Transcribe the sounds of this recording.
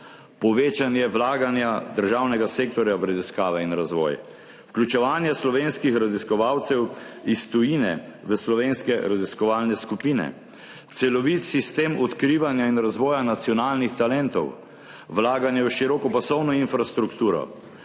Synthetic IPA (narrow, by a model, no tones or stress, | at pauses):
pɔʋeːt͡ʃanjɛʋlaːɡanjad̪əɾʒaːwnɛɡaseːk̚t̪ɔɾjaʋɾaziskaːʋɛinɾazʋɔ̰ːj | wklʲut͡ʃɛʋaːnjɛslɔʋenskixɾaziskɔʋawt̪sɛwist̪ɔjinɛ̰ʋəslɔʋenskɛɾaziskɔʋaːlnɛskupiːnɛ̰ | t̪sɛlɔʋit̪sist̪eːmɔt̪kɾiʋanjainɾazʋɔːjanat̪sjɔnaːlnixt̪alɛnt̪ɔ̰w | ʋlaːɡanjɛwʃiɾɔkɔpasɔwnɔinfɾast̪ɾukt̪uːɾɔ̰